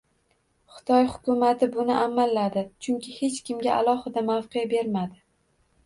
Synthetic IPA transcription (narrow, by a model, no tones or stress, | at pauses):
χɨ̥t̪ʰɒjhʊkʊmat̪ʰɪbʊnɪʔamalːad̪ɪt͡ʃʰʊŋkʲʰɪhe̞t͡ʃkʲʰɪmɡʲaa̰lˠɒhɨd̪amawqɨjabe̞ɾmad̪ɪ